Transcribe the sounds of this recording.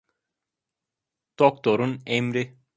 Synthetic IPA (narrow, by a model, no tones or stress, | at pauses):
d̪̥ok̚t̪ʰo̞ɾunemɾi